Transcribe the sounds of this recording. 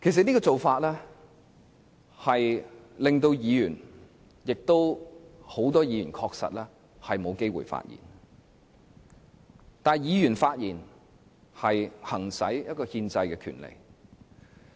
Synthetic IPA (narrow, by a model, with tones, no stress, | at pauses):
kʰe˨˩s̬ɐ˨t̚ni˥kɔː˧t͡so˨wfaː˧t̚lɛː˥ | hɐ˨jlɪ˨ŋt̪o˧wjiː˨˧jyː˨˩n | jɪ˨k̚t̪o˥who˨˥wt̪ɔː˥jiː˨˧jy˨˩nkʰɔː˧k̚sɐ̰˨t̚lɛː˥ | hɐ˨jmo˨˧wke˥jwṵ˨˩jfa̰ː˧t̚jḭː˨˩n | t̪aː˨˩jiː˨˧jyː˨˩nfaː˧t̚jiː˨˩n | hɐ˨jhɐ˨˩ŋsɐ˨˥jjɐ˥t̚kɔː˧hiː˧nt͡sɐ˧jkɛ˧kʰy̰˨˩nlḛ˨˩j